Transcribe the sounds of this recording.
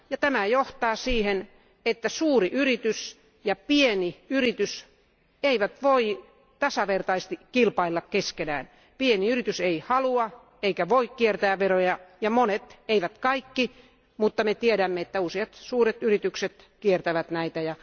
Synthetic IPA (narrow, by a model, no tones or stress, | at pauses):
jɑt̪æmæjoht̪ɑːsiːhen | et̪ːæsuːriʔyrit̪ys | jɑpieniyrit̪ys | eiʋæt̪ʋoi | t̪ɑsɑʋert̪ɑist̪ikilpɑilːɑkkeskenæ̰ːn | pieniyrit̪yseihɑluɑ | eikæʋoikkiert̪æːʋʋerojɑjɑmonet̪eiʋæt̪kɑikːi | mut̪ːɑmet̪ieɾæmːeet̪ːæusiɑt̪suːret̪yrit̪ykset̪ | kiert̪æʋæt̪næit̪æjɑ